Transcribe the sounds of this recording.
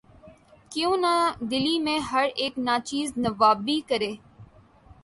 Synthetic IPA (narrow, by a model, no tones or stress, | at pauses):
kjõːnad̪ɪliːmẽɦɐɾeːknat͡ʃiːznəʋaːbːiːkəɾeː